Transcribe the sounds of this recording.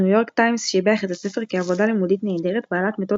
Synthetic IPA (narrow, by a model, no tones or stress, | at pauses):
ujo̞ʁktajmsʃebeaχet̪asefeʁkeavo̞dalimud̪it̪neːd̪eʁet̪baːlat̪met̪o